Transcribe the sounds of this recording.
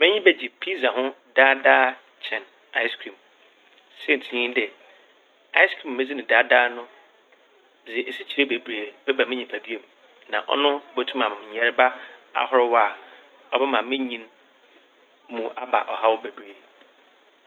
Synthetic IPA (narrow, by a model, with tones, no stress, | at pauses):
mɪ̃˦ɲĩ˦bɛ˦d͡ʑi˨pʰi˦sa˨ɦʊ̃˦ | daː˦daː˦ | t͡ɕʰɛ̃˨n | a˦ɪ˦skʰɾĩ˨m | sɛ˦˨n̩˨tʰĩ˨ĩ˦dɛ˨ | a˦ɪ˦skʰɾĩ˨mːɪ̃˦d͡zi˦nɪ̃˨daː˦daː˦nʊ̃˦˨ | d͡ze˨ʔe˨si˦t͡ɕʰi˨ɾe˦be˨bɾe˨b̥ɛ˦ba˨mɪ̃˦ɲĩ˨pʰa˨di˦e˦m˨ | nã̰˨ʔɔ̰˦nʊ̃˦bo˨tʰũ˦mã˨mã˨m˨ɲɛ˨ɾba˦a̰˨hɔ˦ɾʊ˦wa˨ | ɔ˨bɛ˦mã˨mɪ̃˦ɲĩ˦n | mũ˨a˨ba̰˨ʔɔ˨ha˦wʊ˦be˨bɾe˨